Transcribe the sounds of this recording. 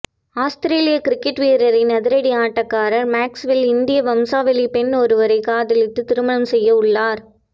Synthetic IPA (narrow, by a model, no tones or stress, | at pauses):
aːst̪ɾeːlɪjɐkɪɾɪkːɪʈʋiːɾɐɾɪnːɐðɪɾɐɽiaːʈːɐkːaːɾɐɾmaːksʋɪlɪnd̪ɪjɐʋɐmsaːʋɛlipɛnɔɾɯʋɐɾɐɪkaːðɪlɪt̪ːɯt̪ɪɾɯmɐnɐmsɛjːɐʊɭːaːɾ